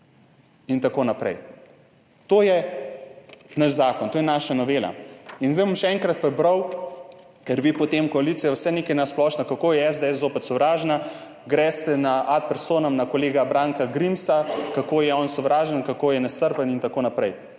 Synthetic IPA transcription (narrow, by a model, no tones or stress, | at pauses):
int̪akoːnapɾɛ̰j | t̪oːjɛ | naʃzaːkɔnt̪ojɛnaːʃanɔʋeːla̰inzd̪ɛjmomʃɛɛŋkɾɐt̪̚pabɾəw | kɛɾʋiːpɔt̪emkɔaliːt̪sijawsɛnekɛjnasplɔːʃnakakoːjɛɛzd̪eɛs̬zoːpɛt̪sɔʋɾaːʒna | ɡɾɛst̪ɛnaʔat̪̚pɛɾsoːnɐmnakoleːɡabɾaːŋkaɡɾimsakakoːjɛɔnsɔʋɾʔaːʒɛnkakoːjɛnast̪əɾpənint̪akoːnapɾɛj